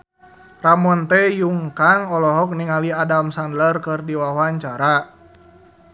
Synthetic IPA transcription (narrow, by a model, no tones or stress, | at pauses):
ramɔnt̪ɛjuŋkaŋɔlɔɦɔk̚niŋaliadamsandlərkɨrdiwawaɲt͡ʃaɾa